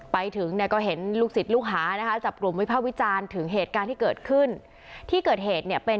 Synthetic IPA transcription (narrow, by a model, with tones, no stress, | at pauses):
pa˧jt̪ʰɯ˩˦ŋni˥˩ɐkɔː˥˩ɦe˩˦nluː˥˩k̚si˨˩t̪̚luː˥˩k̚ɦaː˩˦na˦˥kʰa˦˥t͡ɕa˨˩p̚klu˨˩mɔ˧˦˥pʰaː˥˩wi˦˥t͡ɕaː˧nt̪ʰɯ˩˦ŋɦeː˨˩t̪̚kaː˧nt̪ʰiː˥˩kɤː˨˩t̪̚kʰɯ˥˩n | t̪ʰiː˥˩kɤː˨˩t̪̚ɦeː˨˩t̪̚ni˥˩ɐpe˧